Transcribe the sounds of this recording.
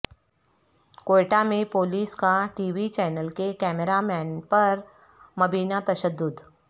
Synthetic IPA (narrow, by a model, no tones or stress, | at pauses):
koːʈamẽpoːliːskaʈiːʋit͡ʃɛːnəlkekɛːmeɾamɛːnpɐɾ | mɐbiːnat̪ɐʃəd̪ːʊd̪